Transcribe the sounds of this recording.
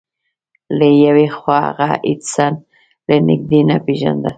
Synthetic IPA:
lejawiχwʷaɣa̰ʔit͡san | lenik̚d̪inapiʒa̰nd̪a

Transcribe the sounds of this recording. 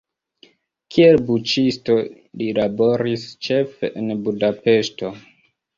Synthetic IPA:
kʰielbut͡ʃisto̞ | lilabo̞ɾist͡ʃe̞fḛʔenbudape̞ʃto̞

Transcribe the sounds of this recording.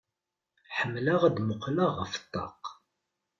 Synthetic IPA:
ħəmːlaʁd̪mʊqlaʁəfə̥t̪ˤːɑ̰q

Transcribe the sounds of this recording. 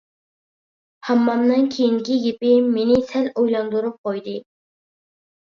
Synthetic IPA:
hɑmːɑmnɨŋkʲʰejiŋkʲiɡʲepɪmenɪsɛlojlˠɑnd̪uɾup̚qojd̪ɨ

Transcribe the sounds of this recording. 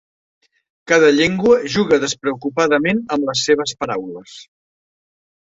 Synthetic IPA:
kaðəʎeŋɡwəʒuɣəðəspɾəukupaðəmenəmləsːeβ̞əspəɾawləs

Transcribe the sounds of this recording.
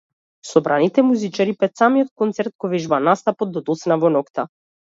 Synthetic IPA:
sɔbɾanit̪ɛmuzit͡ʃaɾipɛt̪samijɔt̪̚kɔnt̪sɛɾt̪̚kɔvɛʒbanast̪apɔd̪ːɔd̪ɔt̪snavɔnɔkt̪a

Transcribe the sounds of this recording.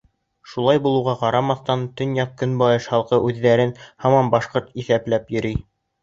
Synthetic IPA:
ʃulˠɑjbulˠɤwʁɑqɑɾɑmɑθt̪ɑnt̪ɵnjɑq̚kːɵnbɑjɤʃhɑlˠqɤʔʉðːæɾɘnhɑmɑmbɑʃqoɾt̪iθæplæpjɵ̆ɾi

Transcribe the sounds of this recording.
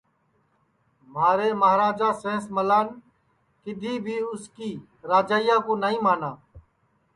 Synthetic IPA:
maːɾeːməɦɾaːd͡ʒaːsẽːsməlaːn | kɪd̪ʱiːbʱiːʊskiː | ɾaːd͡ʒaːɪjãːkoːnaːĩːmaːnaː

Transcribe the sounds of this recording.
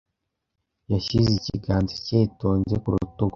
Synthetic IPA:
jaɕizicḭɡaːnziceːto̞ːɲɟekuɾṵtuɡo

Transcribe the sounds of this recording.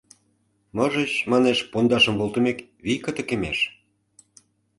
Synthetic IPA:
mɤʒət͡ɕmɑneʃpond̪ɑʃə̆mβolˠt̪ə̆mek | βijkə̆t̪ə̆kemeʃ

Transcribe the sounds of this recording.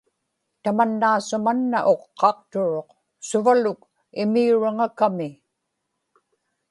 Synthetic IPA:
t̪amanːaːsʊmanːaʔo̞qːɑq̚t̪ʊɻo̞q | sʊvalʊk | ɪmiuɻaŋakamɪ

